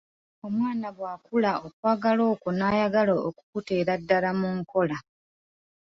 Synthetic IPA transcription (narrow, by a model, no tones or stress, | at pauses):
o̞mwaːnaβwaːkulao̞kwaːɡalo̞ːkonaːjaɡaloːku̥kuteːɾadːalamuŋko̞la